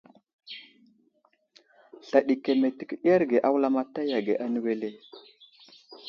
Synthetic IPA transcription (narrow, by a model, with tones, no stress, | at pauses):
ɬa˨ɗi˨ke˨me˨ti˨kɗa˦ɾɡe˨ʔa˦wla˦ma˦ta˦ja˨ɡe˨ʔa˦nə˦we˦le˦